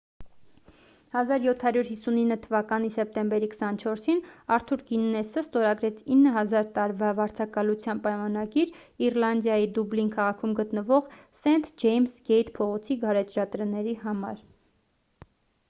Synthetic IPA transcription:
hɑzɑɾjɔt̪ʰhɑɾjuɾhisuninːət̪ʰəvɑkɑnisɛp̚t̪ɛmbɛɾikə̥sɑnt͡ʃʰɔɾsinɑɾt̪ʰuɾɡinːɛsəst̪ɔɾɑɡɾɛt͡sʰinːəɦɑzɑɾt̪ɑɾvɑvɑɾt͡sʰɑkɑlut͡sʰjɑnpɑjmɑnɑɡiɾiɾlɑnd̪jɑjid̪ublinkʰɑʁɑkʰumɡət̪nəvɔʁ | sɛnt̪ʰd͡ʒɛjmsɡɛjt̪pʰɔʁɔt͡sʰiɡɑɾɛt̪ʰʒɑt̪ɾənɛɾiɦɑmɑ̰ɾ

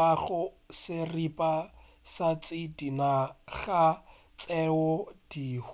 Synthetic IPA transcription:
aχʊ | sɪripʼa | sat͡sʼɪdinaɣa | t͡sʼɛɔd̥ih

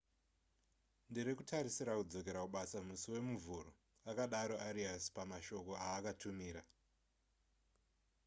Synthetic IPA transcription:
ndiɾekutaɾisiɾakud͡zo̞ke̞ɾakuɓasamusiwe̞muvuro | akaɗaɾo̞ʔaɾiaspamaʃo̞ko̞aːkatumiːɾa

